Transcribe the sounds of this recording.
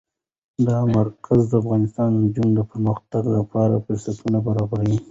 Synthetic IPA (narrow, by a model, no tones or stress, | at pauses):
d̪ɑmaɾkʰazd̪əafɣɑnɪst̪ɑnd̪əd͡ʒuŋɡd̪əpəɾməxt̪aɡlapʰɑɾafɪɾsat̪ʰunabaɾɑbaɾawi